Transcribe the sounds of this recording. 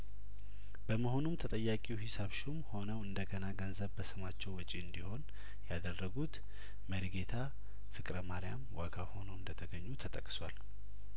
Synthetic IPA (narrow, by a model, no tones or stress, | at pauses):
b̥əməho̞numt̪ʰət̪ʼəjːakʼiwhɪsaβʃumho̞nəwɨnd̪əɡənaɡənzəβbəsɨmat͡ʃːɛwɔt͡ʃʼiɨnd̪iho̞n | jad̪ərːəɡut̪ | məɾiɡe̞t̪ʰa | fɨkʼɾəmaɾijamwaɡaho̞nəwɨnd̪ət̪ʰəɡəɲːut̪ʰət̪ʼəkʼswal